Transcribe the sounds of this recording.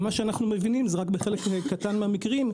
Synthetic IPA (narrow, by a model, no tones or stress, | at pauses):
maʃeanaχnumevinimzeʁakbeχe̞lekekːatanmehamikʁim